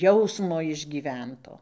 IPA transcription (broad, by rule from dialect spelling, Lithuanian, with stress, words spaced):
ˈjɛʊsmoː ɪʒʲɡʲiːˈʋʲɛntoː